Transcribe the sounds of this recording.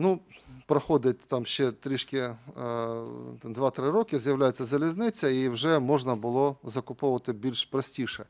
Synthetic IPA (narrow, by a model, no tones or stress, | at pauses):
nupɾɐxod̪ɪt̚ʲt̪amʃt͡ʃɛt̪ɾɪʂkʲɪ | d̪ʋat̪ɾɪɾɔkʲɪzʲjɐwlʲajʊt͡sʲːɐzɐlʲɪznɪt͡sʲɐiwʐɛmɔʐnɐbɨlˠɔzɐkʊpɔʋɐt̪ɪbʲilʲʂpɾɐsʲtʲiʂɛ